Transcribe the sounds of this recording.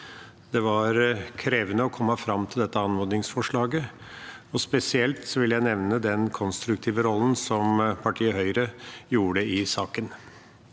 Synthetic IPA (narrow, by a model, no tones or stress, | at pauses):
d̪̥ɛʋɑɾkʰɾeːʋənəɔkʰɔmːəfɾɑmt̪ʰɪld̪ɛt̪ːəɑnmɔɾd̪ɪŋsfɔʂɭɑːɡə | ɔspɛsɪɛlt̪sɔʋɪljæɪnɛʋnəd̪ɛnkʰɔnst̪ɾʉkt̪ʰiːʋəɾɔlːn̩sɔmpʰɑʈʰiːəɦœʏɾəjuːɽəɪsɑːkən